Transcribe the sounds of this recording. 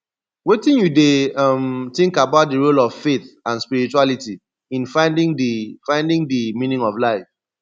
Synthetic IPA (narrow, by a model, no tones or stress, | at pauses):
wetĩnjudemtɪ̃ŋkabaʊt̚dəɹolɔv̥feθãnspiɹit͡ʃualiti | ĩnfãɪ̃ndĩŋdifãɪ̃ndĩŋdimĩnĩŋɔvlaɪf